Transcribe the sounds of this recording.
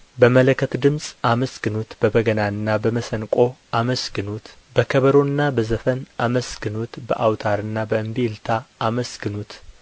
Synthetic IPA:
bəmələkʰːət̪d̪ɨmsʼaməsɡ̥ɨnut̪bəbəɡənaɨnːabəməsənkʼo̞ʔaməsɡɨnut̪ | bəkʰəβəɾo̞ɨnːabəzəfənaməsɡɨnut̪bə̰ʔawt̪ʰaɾɨnːabəɨmbelt̪ʰaːməsɡɨnut̪

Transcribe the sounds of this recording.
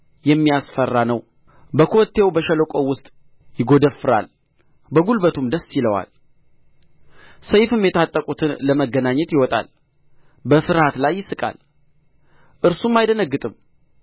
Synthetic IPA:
jɛmːijasfərːanəw | bəkʰo̞t̪ʰːe̞wbəʃələkʼowʊst̪ʼ | jɪɡo̞d̪əfːɨɾa̰l | bəɡulbət̪ʰumd̪əsːiləwa̰l | səjfɨmjɛt̪ʰat̪ʼːəkʼut̪ʰɨnləməɡːənaɲːɛt̪jɪwɔt̪ʼa̰l | bəfɨɾhat̪lajːɪsɨkʼa̰l | ʔɨɾsumːajd̪ənəɡːɨt̪ʼɨm

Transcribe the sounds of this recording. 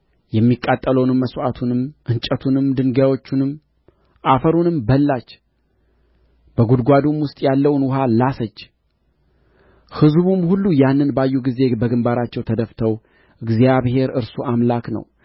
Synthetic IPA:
jɛmːikʼːat̪ʼːələwnɨmːəsʔat̪ʰunɨmʔɨnt͡ʃʼət̪ʰunɨmd̪ɨŋɡawo̞t͡ʃːɪnɨm | ʔafəɾunɨmbəlːat͡ʃː | bəɡud̪ɡʷad̪umwʊst̪ʼjalːəwnwʊɦalasət͡ʃː | hɨzβumhulːujanːɨnbajːuɡize̞bəɡɨmbaɾat͡ʃːɛwt̪ʰəd̪əft̪ʰəw | ʔɨɡzijaβhe̞ɾɨɾsuʔamlaknə̰w

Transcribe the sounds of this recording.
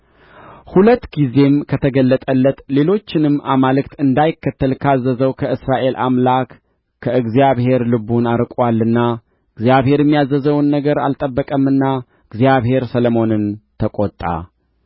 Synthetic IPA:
hulət̪ːɡize̞mkʰət̪ʰəɡəlːət̪ʼəlːət̪le̞lo̞t͡ʃːɪnɨmʔa̰malɨkt̪ɨnd̪ajɪkːət̪ʰːəlkʰazːəzəwkʰəɨsɾaʔe̞lʔa̰mlak | kʰːəɨɡzijaβhe̞ɾlɨbunaɾkʼwalːɨnːa | ʔɨɡzijaβhe̞ɾjɛmːijazːəzəwnːəɡəɾa̰lt̪ʼəbːəkʼəmːɨnːa | ɨɡzijaβhe̞ɾsələmo̞nɨnt̪ʰəkʼot̪ʼːa̰

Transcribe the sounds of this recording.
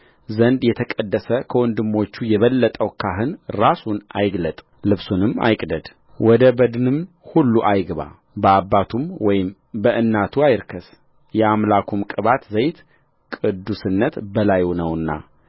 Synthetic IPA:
zənd̪jɛt̪ʰəkʼəd̪ːəsəkʰəwɔnd̪ɨmːo̞t͡ʃːujɛβəlːət̪ʼəwkʰaɦɨnɾasunʔa̰jɡlət̪ʼ | lɨβsunɨma̰jkʼd̪əd̪ | wɔd̪əbəd̪nɨm | hulːuʔajɡβa̰ | bəabːat̪ʰumwɔjɪm | bəʔɨnːat̪ʰuajɾkʰəs | jɛamlakʰumkʼɨβat̪zəjt̪ | kʼɨd̪ːusɨnːət̪bəlajnəwɨnːa̰

